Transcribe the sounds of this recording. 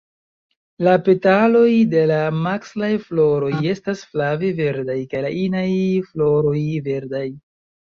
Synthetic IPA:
lape̞talo̞jde̞lamakslajflo̞ɾo̞je̞stasflaveve̞ɾdajkajlaʔinajflo̞ɾo̞jve̞ɾdaj

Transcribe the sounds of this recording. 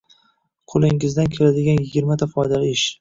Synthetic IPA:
qʰolˠɪŋɪzd̪ankʲʰelad̪ɪɡʲanjɪɡʲɪɾmat̪ʰafɒjd̪alɪɪʃ

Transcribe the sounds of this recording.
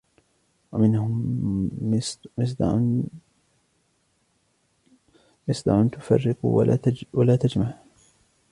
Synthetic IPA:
wamɪnhʊm | mɪs̬ˤd̪̰ | mɪsˤd̪ɑ̰ʕʊnt̪ʊfɑ̰rːɪqṵwalaːt̪ad͡ʒmaʕ

